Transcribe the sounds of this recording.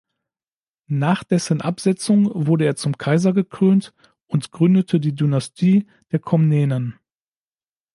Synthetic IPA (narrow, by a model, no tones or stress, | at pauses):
naːχd̥ɛsənʔapz̥ɛt͡sʊŋvʊɐɾəeːɐt͡sʊmkʰaɪzɐɡəkʁ̥øːnt | ʊntɡ̥ʁʏndətʰədiːdynastʰiː | d̥eːɐkʰɔmnɛːnən